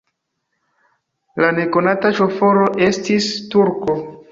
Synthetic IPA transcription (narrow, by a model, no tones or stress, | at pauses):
lane̞ko̞nataʃo̞fo̞ɾo̞ʔe̞stistuɾko̞